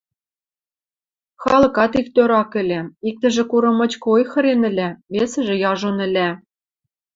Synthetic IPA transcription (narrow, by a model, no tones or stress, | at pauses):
xɑlɤ̆kɑt̪ikt̪øɾɑkɘ̆lʲæik̚t̪ɘ̆ʒĕkuɾɤ̆mɤ̆t͡ɕkojxɤ̆ɾenɘ̆lʲæβesɘ̆ʒĕjɑʒonɘ̆lʲæ